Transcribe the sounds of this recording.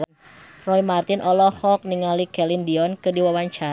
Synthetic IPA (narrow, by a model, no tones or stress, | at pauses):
n | rɔimart̪inʔɔlɔhɔk̚niŋalikɛlindiɔnkədiwawaɲt͡ʃa